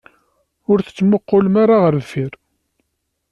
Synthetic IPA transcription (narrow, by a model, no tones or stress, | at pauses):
ʊɾθə̥t͡sːməqːʊlmaɾaʁəɾðfiɾ